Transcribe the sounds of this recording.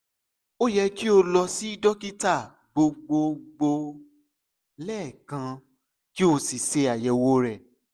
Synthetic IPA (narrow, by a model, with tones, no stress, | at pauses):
o˦jɛ˧ki˦o˧lɔ˧si˦i˦dɔ˦ki˦ta˦˨ | ɡ͡bo˧ɡ͡bo˧ɡ͡bo˧ | lɛː˦˨kã˧ | ki˦o˧si˨se˧a˨jɛ˨wo˦ɾɛ˦˨